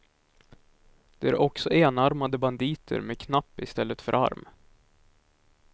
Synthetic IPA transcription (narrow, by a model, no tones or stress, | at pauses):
d̪̥ɛæɾʔɔksɔʔeːnaɾmad̪əband̪iːt̪ʰə̰ɾmekʰnapːɪst̪ɛlːət̪fœɾʔa̰ɾm